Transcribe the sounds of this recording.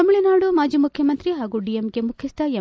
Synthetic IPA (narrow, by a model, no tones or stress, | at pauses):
ɐmuɭinaːɽumaːd͡ʒiːmukʰjɐmɐnt̪ɾiɦaːɡuɖijemɡe̞mukʰist̪ɐjɐ